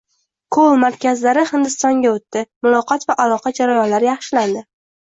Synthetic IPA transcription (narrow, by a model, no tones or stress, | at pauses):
kʰolˠmaɾkʲʰazlaɾɪhɪnd̪ɪst̪ɒŋɡʲaot̪ːɪmʊlˠɒqɒt̪vaʔalˠɒqʰɑd͡ʒaɾajɒnlaɾɪjɑχʃɪland̪ɪ